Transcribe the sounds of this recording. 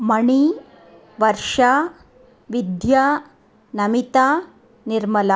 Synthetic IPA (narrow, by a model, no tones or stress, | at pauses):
məɳ̃i | ʋəɾʂa | ʋid̪ja | nəmit̪a | niɾməla